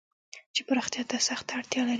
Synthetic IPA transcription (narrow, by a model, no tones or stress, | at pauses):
t͡ʃepəɾaxt̪jɑt̪asaxt̪aaɽt̪jɑlaɾ